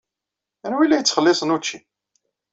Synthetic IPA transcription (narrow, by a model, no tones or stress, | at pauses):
ænwilːæjət͡sːχəlːɪsˤənut͡ʃːi